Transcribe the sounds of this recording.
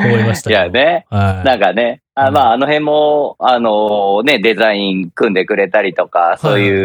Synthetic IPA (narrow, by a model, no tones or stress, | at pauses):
ajane̞nãŋkane̞ | amaːno̞ɦẽ̞mːo̞ano̞ne̞d̪e̞zaĩŋkɯ̟̃nd̪e̞kɯ̟ɾe̞t̪aɾʲit̪o̞kaso̞ːjɯ̟ː